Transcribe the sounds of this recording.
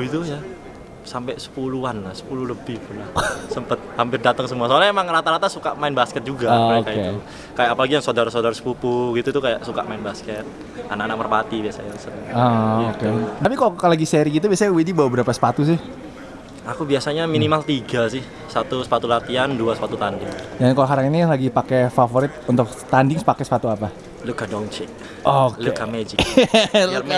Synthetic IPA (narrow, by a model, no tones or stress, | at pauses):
it̪uja | sampɛsə̥puluanlahsə̥pululəbɪhpulasəmpət̪̚hampɪrdat̪əŋsəmuasolaemaŋəɾat̪aɾat̪asukaʔmaɪnbaskɛt̪̚d͡ʒuɡakau | kajaʔːpalaɡijaŋsodaɾsodaɾsə̥pupuɡit̪ut̪ukajaʔsuka̰ʔmaɪnbaskɛt̪̚ | a̰nakanak̚mərpat̪ibiasa̰ɲaŋsənəŋaokedapikaloalaɡiseɾiɡit̪̬ubiasaɲawidibawabəɾapasə̥pat̪us̬ɪh | akubiasaɲaminimalt̪iɡasɪh | sat̪usə̥pat̪ulat̪ianduasə̥pat̪ut̪andɪŋjankalaɦaɾaŋinilaɡipakɛfafoɾɪt̪̚unt̪ʊk̚ | t̪andɪŋspakɛsə̥pat̪uapa | lukadɔŋt͡ʃɪk̚ | ʔoklukamed͡ʒɪ | rm